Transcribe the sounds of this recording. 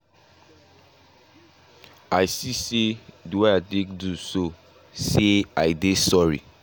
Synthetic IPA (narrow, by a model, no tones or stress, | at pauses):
ajsiseduweatẽkduso | seaɪdesɔɹḭ